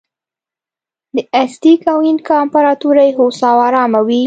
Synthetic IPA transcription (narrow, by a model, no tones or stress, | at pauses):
d̪əʔast̪ikawinkampaɾɑt̪uɾajeɦosɑwɑɾɑmawi